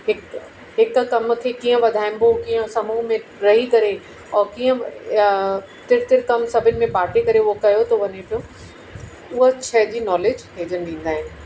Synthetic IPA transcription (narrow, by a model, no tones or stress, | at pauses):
ɦɪk | ɦɪkkɐmk̪ʰekiːə̃ʋɐd̪ʱaːɪm̆bokiːə̃sɐmuɦmẽɾɐɦikɐɾe | ɔːɾkiːə̃ | t̪ɪɾt̪ɪɾkɐmsɐbʱɪnɪ̆mẽbaːʈʰekɐɾeokɐjot̪ɐʋɐɲepijõ | ʊɦot͡ɕʰɐɦd͡ʑiːnɔːleːd͡ʑɦeːd͡ʑənɪd̪ĩːn̆d̪aːɦɪnɪ̆